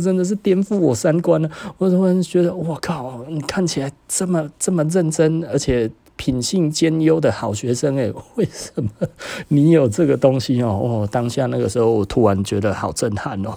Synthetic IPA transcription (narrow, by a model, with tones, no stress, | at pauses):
t͡sə˦nd̪ə˨ʂ̬ɻ̩˥˩t̪jɛ˥˧nfu˥˩wɔ˨˩sa˦˥nkwa˦nə˨˩ɔ˨˩t̪ʰu˥ɻa˧˦nt͡ɕɥɛ˧˥d̪ə˨wɔ˨˩kʰa˥˩ʊ˨ni˨˩kʰa˥˩˨nt͡ɕʰi˨˩la˧˥ɪt͡sə˥˩mə˨t͡sə˥˨mə˨ɻə˥˨nt͡sə˦nə˞˧˥t͡ɕʰjɛ˨˩ | pʰi˨˩nɕi˥˧ŋt͡ɕjɛ˦˥njo˦ʊd̪ə˨xɑ˨˩ʊɕɥɛ˧˦˥ʂə˦ŋe˨˩we˥˩ɪʂə˧˦nə˧ni˧˥˦jo˨˩ʊt͡sə˥˩ɡə˨˩t̪o˦ŋɕi˦ɔ˨wɔ˨˩t̪a˥˦ŋɕja˥˨na˥˩ɡə˩ʂɻ̩˧˥xo˥˩ʊwɔ˨˩t̪ʰu˧˥ɻa˧˦nt͡ɕɥɛ˧˥d̪ə˨hɑ˨˩ʊt͡sə˥˧˨nha˥˨nɔ̰˨˩